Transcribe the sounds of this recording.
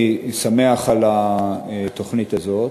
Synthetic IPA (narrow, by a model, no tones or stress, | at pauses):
sameaχala | t̪oχnit̪azo̞t